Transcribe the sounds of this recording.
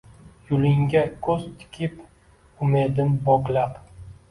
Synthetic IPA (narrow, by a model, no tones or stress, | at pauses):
jʊlɪŋɡʲakʰɵzt̪ʰɪ̥kʲʰɪp | ʊmed̪ɪmbɒklap